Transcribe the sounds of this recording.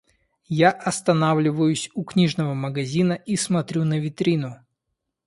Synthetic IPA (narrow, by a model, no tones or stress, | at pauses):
jaʔɐst̪ɐnavlʲɪvəjʊsʲʊknʲiʐnəvəməɡɐzʲinəʔismɐt̪ɾʲunəvʲɪt̪ɾʲinʊ